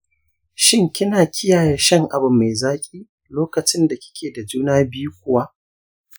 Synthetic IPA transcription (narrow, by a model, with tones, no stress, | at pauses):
ʃɪ˦ŋkʲɪ˦naː˨kʲɪ˦jaː˨ja˦ʃɐ˦ŋʔa̰˨bʊ˨mːe˨zaː˦kʲʼiː˦ | loː˦kɐ˨t͡ʃɪ˦nda˨kʲɪ̥˦kʲʰeː˨da˨d͡ʒuː˦naː˦bɪ˦ju˦kʷʊ˦wa˦ʔ